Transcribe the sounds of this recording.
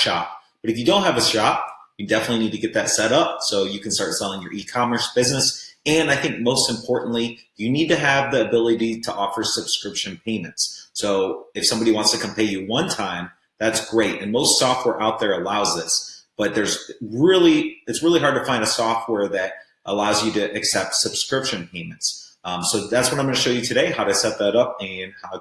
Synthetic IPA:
ʃɑ̰p̚b̥ʌɾɨfjɨdõʊ̃nt̚ɦɨvɨʃɑp̚jɨdɛfənɨtˡlĩnid̚tʰɨɡɛt̪̚ðɨtsɛɾʌp̚soʊjɨkn̩stɑɹtsɛlˠɪ̃ŋjə̰˞ʔikʰɑmə˞sb̥ɪznɨsɨ̃naɪθɪ̃ŋk̚moʊstɨ̃m̩pʰɔɹʔn̩ʔli | jɨnid̚tɨːvðiɨbɪlˠəɾiɾəʔɔfə˞səb̥skɹɪpʃɨ̃npʰẽɪ̃mɨ̃ntssoʊɨfsʌ̃mbɑɾiwɑ̃ntstʰɨkʰɨ̃m̩pʰeɪjɨwʌ̃ntʰãɪ̃m | ðætsɡ̥ɹeɪɾɨ̃nmoʊstsɔft̚wɛɹʔaʊt̪̚ðə˞əlaʊzðɪsb̥ʌt̪̚ðə˞zɹɪlˠiɨtsɹɪlˠiɦɑɹd̚tɨfãɪ̃ndɨsɔft̚wɛɹðɨɾ | ʔəlaʊzjɨɾɨʔɨksɛp̚tsɨb̥skɹɪpʃɨ̃npʰẽɪ̃mɨ̃n̩tssoʊðætswʌɾãɪ̃mɡʌñɨʃoʊjɨtʰɨɾeɪhaʊɾɨsɛt̪̚ðəɾʌp̚ɨ̃nhaʊ

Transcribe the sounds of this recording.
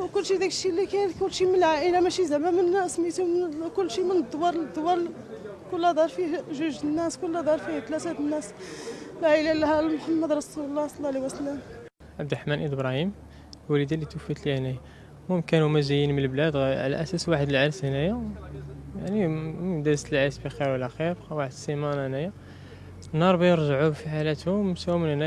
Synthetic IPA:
wkʊlːʃid̪ikəʃilːikækʊlːʃiməlʕaʔəlamæʃizæmæmənːæsmit̪ukʊlːʃimənəd̪ːwɑɾˤd̪ːwɑɾˤ | kʊlːhæd̪ˤɑɾˤfiʒʊʒənːæskʊlːhæd̪ˤɑɾˤfiht̪læt̪æt̪nːæslʕaəlælhælmħamːəd̪ɾˤɑsuləlˤːɑsˤlˤːɑʕliwæsəlæm | ʕabd̪ɾˤħmænʔəd̪bɾˤɑhim | wælid̪ilːit̪wəfət̪lihnæjæ | mumkænumæzæjːinmənəlblæd̪ʕlæ̰ʔæsæswaħəd̪əlʕaɾshnæjæ | jaʕnimd̪æɾst̪əlʕaɾsbixiɾwəlːæxiɾwaħəd̪əsimænhənæjæ | nɑɾˤbijəɾˤʒaʕufiħalæt̪hʊmsæwmənhnæ

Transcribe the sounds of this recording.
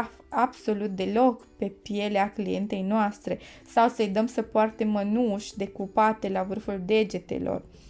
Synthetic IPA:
fab̥so̞lut̪̚d̪e̞lo̞kpe̞pije̞leaklije̞nt̪e̞jnoast̪ɾe̞ | sawsəjd̪əmsəpoart̪emːənuʃʲd̪e̞kupat̪e̞lavɨrfuld̪e̞d͡ʒe̞t̪e̞̰lo̞̰r

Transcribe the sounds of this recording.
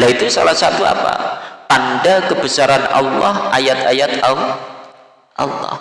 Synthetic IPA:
lait̪usalahsat̪ua̰pa̰pandakəbəsaɾanɑ̰lːɑhajat̪ajat̪aw | ʔɑ̰lːɔ̰h

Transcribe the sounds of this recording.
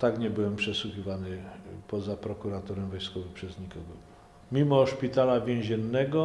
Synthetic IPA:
t̪aɡɲɛbɘwɛmpʂɛswuxʲivanɘpɔzapɾɔkuɾat̪ɔɾɛmvɔjskɔvɛpʂɛzɲikɔɡɔ | mʲimɔʂpʲit̪alavʲjɛ̃w̃ʑɛnːɛɡɔ

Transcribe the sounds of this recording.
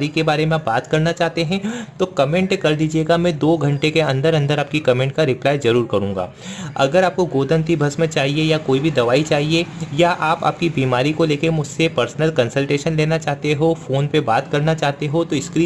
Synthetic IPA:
ɾikebaːɾemẽbaːt̪kɐɾnat͡ʃaːɦt̪eɦɛ̃t̪okɐmẽːɳʈkɐɾd̪iːd͡ʒieːɡamɛ̃ːd̪oːɡʱɐ̃ɳʈekeɐ̃nd̪əɾɐ̃nd̪əɾaːp̚kikɐmẽːɳʈkaɾɪplaːjzɐɾuːɾkɐɾũːŋɡa̰ː | ɐ̰ɡəɾaːp̚koɡoːd̪ə̃nt̪ibʱɐsmẽt͡ʃaːɦiejakoːibʱid̪ɐʋaːit͡ʃaːɦiejaʔaːpa̰ːp̚kibiːmaːɾikoleːkemʊd͡ʒʱsepɐɾsnəlkɐ̃nsəlʈeːʃənleːnat͡ʃaːɦt̪eɦofoːnpebaːt̪kɐɾnat͡ʃaːɦt̪eɦot̪oɪskɾi

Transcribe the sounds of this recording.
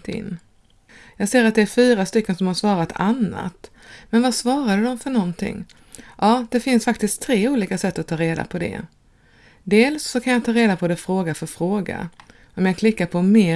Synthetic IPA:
t̪ɪ̰nː | jɑːɡseːɾat̪̚d̪ɛæɾfyːɾast̪ʏkːənsɔmhaʂvɑːɾat̪ʰanːa̰t̪ | mɛnvasvɑːɾad̪əd̪ɔmfœɳɔnt̪ʰɪ̰ŋː | ʔɑːd̪̥ɛfɪnsfak̚t̪ɪst̪ʰːɾeːuːliːkasɛt̪ːɔt̪ʰːɑːɾeːd̪a̰pʰɔd̪ɛ̰ | d̪eːlsːɔkʰanjat̪ʰɑːɾeːd̪apʰɔd̪ɛfɾoːɡafœɾfɾoːɡa̰ | ɔmjaːɡkʰlɪkːaɾpʰɔmeː

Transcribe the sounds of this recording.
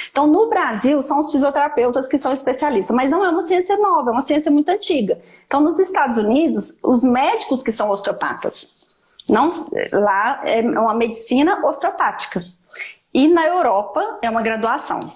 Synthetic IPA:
ẽt̪ɐ̃w̃nʊbɾaziwsɐ̃w̃ʊsfiziot̪eɾapewt̪ɐskɪsɐ̃w̃ispesialist̪ɐmɐznɐ̃w̃ɛũmɐsiẽsiɐnɔvɐɛũmɐsiẽsijɐmũj̃t̪ʊɐ̃t͡ʃiɡɐ | ẽt̪ɐ̃w̃nʊzist̪ad̪ʊzunid̪ʊsʊ̰zmɛd͡ʒikʊskɪsɐ̃w̃ost̪opa̰t̪ɐ̰s | nɐ̃w̃slaɛũmɐmed͡ʒisĩnɐʔost̪ɾopat͡ʃi̥kɐ | ɪnɐewɾɔpɐɛũmɐɡɾad̪uasɐ̰̃w̃

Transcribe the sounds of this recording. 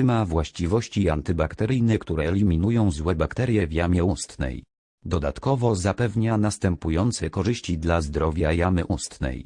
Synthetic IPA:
ɘmavwaɕt͡ɕivɔɕt͡ɕiant̪ɘbakt̪ɛɾɘjnɛkt̪uɾɛːlʲimʲinujɔ̃w̃zwɛbakt̪ɛɾjɛvʲjamʲjɛust̪nɛ̰j | d̪ɔd̪a̰t̪kɔvɔzapɛvɲanast̪ɛmpujɔnt̪sɛkɔʐɘɕt͡ɕid̪lazd̪ɾɔvʲjajamɘʔust̪nɛ̰j

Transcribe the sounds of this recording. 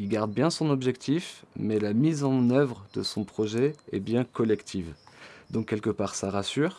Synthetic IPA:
ilɡaʁd̪̚bjɛ̃sɔ̃nɔbʒɛkt̪ʰifmɛlamizɑ̃nœvʁd̪əsɔ̃pχɔʒɛɛbjɛ̃kɔlɛkt̪ʰivd̪ɔ̃kːɛlkəpaʁsaʁasyːʁ

